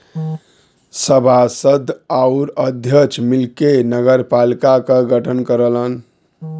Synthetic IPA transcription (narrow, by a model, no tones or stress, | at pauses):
səbʱasəd̪ʱaʊɾəd̪ʱjət͡ʃʰmilkenəɡəɾpalikakəɡʱəʈʰənkəɾələn